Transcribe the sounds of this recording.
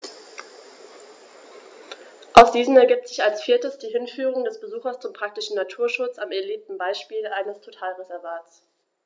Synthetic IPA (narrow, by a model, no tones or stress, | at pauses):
ʔaʊsd̥iːzm̩ɛɐɡiːp̚tz̥ɪçalsfiːɐtəsd̥iːɦɪnfyːʁ̞ʊŋdɛsb̥əzuːxɐst͡sʊmpʁ̥ak̚tɪʃn̩natʰuːɐʃʊt͡samɛɐliːp̚tn̩baɪʃpiːlʔaɪnəstʰotʰaːlʁezɛɐvaːtt͡s